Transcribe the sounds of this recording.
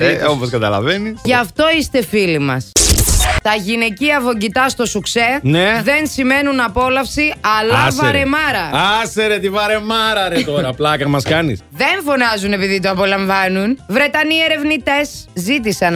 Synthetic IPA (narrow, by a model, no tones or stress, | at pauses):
eoposkɐt̪ɐlɐ̰veniʝɐft̪o̞ist̪e̞filimɐs | t̪ɐʝine̞ciɐvo̞ɟit̪ɐst̪o̞sukse̞neðe̞nsime̞nunɐpo̞lɐfsiɐlɐvɾe̞mɐɾɐɐseɾet̪ivɐɾe̞mɐɾɐɾet̪oɾɐplɐkɐmɐskɐnisðe̞ɱfo̞nɐzune̞piðit̪̬oɐpo̞lɐɱvɐnunvɾe̞t̪ɐnie̞ɾe̞vnit̪e̞szit̪̬isɐn